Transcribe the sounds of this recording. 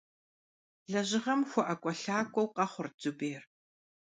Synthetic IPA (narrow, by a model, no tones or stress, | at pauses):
ɮɐʑɪʁɐmxʷɔʔɐkʷʼɔɬaːkʷʼɔwqɐχʷʊrd͡zubeːr